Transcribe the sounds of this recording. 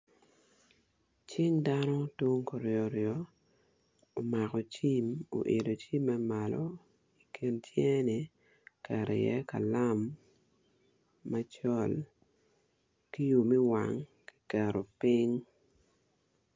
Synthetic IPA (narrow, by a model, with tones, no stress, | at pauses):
t͡ʃɪ˦ŋda˦no˦to˦ŋko˨ɾjɔ˨ɾjɔ˨ | o˨ma˨kɔ˨t͡ʃi˦mo̰˨ʔe˨do˨t͡ʃi˦mːɛ˦ma˨lo̰˦ | i˨kʰi˨ntʰjɛ˦nɪ˨ | kɛ˨ɾɛ̰˨jɛ̰˦ka̰˨la˦m | a˦t͡ʃɔ˦˨l | ki˦ju˨mɛ˦wa̰˨ŋki̥˦kɛ˨ɾo˨pɪ˦ŋ